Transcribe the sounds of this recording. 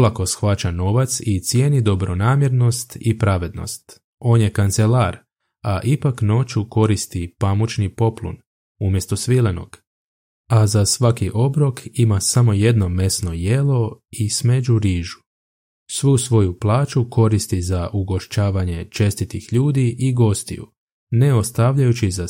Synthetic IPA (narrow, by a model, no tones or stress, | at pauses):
lˠako̞sxʋat͡ɕano̞ʋat̪sit̪sjeːnid̪o̞bɾo̞naːmje̞ɾno̞st̪ipɾaʋe̞d̪no̞̰st̪ | o̞ːnje̞kant̪selaːɾ | aʔipakno̞t͡ʃuko̞ɾist̪ipamut͡ʃnipo̞plṵn | umje̞st̪o̞sʋileno̞̰ɡ̥ | azasʋakiʔo̞bɾo̞kimasamo̞je̞d̪no̞me̞sno̞je̞lo̞isme̞d͡ʒuɾiːʒu̥ | sʋuːsʋo̞juplˠaːt͡ʃuko̞ɾist̪izaʔuɡo̞ʃt͡ɕaːʋaɲe̞t͡ʃe̞st̪it̪ixʎuːd̪iʔiɡo̞st̪ḭjṵ | neo̞st̪aʋʎajut͡ɕiza